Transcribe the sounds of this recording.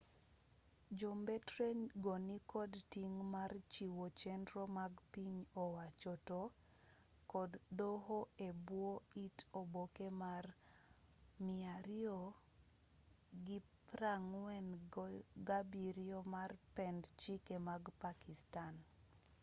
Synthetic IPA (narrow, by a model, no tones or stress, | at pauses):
d͡ʒombɛtɾenɡonikɔdtiŋmart͡ʃiwot͡ʃɛndɾomaɡpiɲɔwat͡ʃɔto | kɔdːoɦoebwoitobokemar | mɪaɾio | ɡipɾaŋwɛn | ɡabiɾiomarpɛndt͡ʃikemaɡpakistan